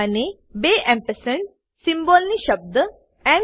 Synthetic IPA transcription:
ani | beʔɛ̃mpəsəɳ | simbɔlniːɕəb̚d̪ə | ɛ̃

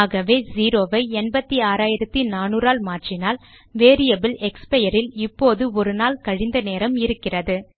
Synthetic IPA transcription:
aːɣɐʋeːziːɾoːʋɐɪɛɳbɐt̪ːiaːɾaːjɪɾɐt̪ːinaːnuːɾaːlmaːʈrɪnaːl | ʋeːɾɪjɐbɪlɛkspɐjɐɾɪlɪpːoːðɯɔɾɯnaːlkɐɻɪnd̪ɐneːɾɐmɪɾɯkːɪrɐðɯ

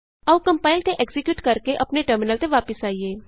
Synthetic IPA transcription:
ɐʋkɐ̃mpaːɪlt̪eʔekzɪkjuːʈkɐɾkeʔɐpneʈəɾmɪnəlt̪eʋaːpɪsaːieː

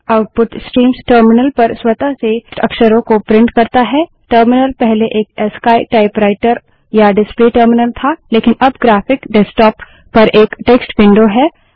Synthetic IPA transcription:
aʊʈ̚pʊʈsʈɾiːmsʈəːɾmɪnəlpɐɾswɐt̪aseʈɐ̰kʃəɾõkopɾɪ̃ɳʈkɐɾt̪aɦɛː | ʈəːɾmɪnəlpɛɦleʔeːkɛskaːɪʈaːɪpɾaːɪʈəɾ | jaɖɪspliʈəːɾmɪnəlt̪ʰaleːkɪnɐbɡɾaːfɪkɖɛsʈɔːpː | ɐɾʔeːkʈeːksʈwɪ̃ɳɖoɦɛː

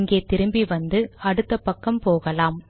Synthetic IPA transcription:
ŋɡeːt̪ɪɾɯmbiʋɐnd̪ɯɐɽɯt̪ːɐpːɐkːɐmpoːɣɐlaːm

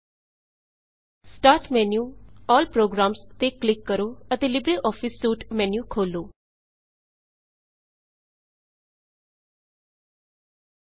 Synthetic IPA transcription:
sʈaːɾʈmɛːnjuːɔːlpɾoːɡɾaːmst̪eːklɪkːəɾoːət̪eːlɪbɾiːʔɔːpʰɪsːuːʈmɛ̃ːnjuːkʰoːloː

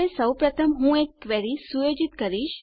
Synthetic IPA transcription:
esəwpɾət̪ʰəmɦũekːʋɛɾisujod͡ʒit̪kəɾiʃ

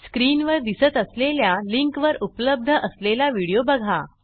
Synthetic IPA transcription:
skɾiːnʋəɾd̪isət̪əsleljaliŋkʋəɾupləb̚d̪ʱəʔəslelaʋiɽijobəɡʱa

